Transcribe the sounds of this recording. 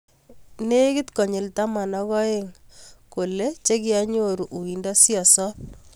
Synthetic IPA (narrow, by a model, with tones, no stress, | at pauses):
ne˦kɪ˦tkɔ˨ɲɪ˨lta˦ma˨nɔ˦kɔ˦e˦ŋko˨le˦t͡ʃe˦kɪa˦ɲo˨ɾu˨ʔu˨i˨ndɔ˦sjɔ˨sɔ˦p̚